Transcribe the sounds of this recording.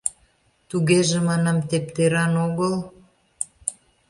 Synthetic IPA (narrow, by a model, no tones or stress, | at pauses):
t̪uɣeʒemɑnɑmt̪ep̚t̪eɾɑnoɣəl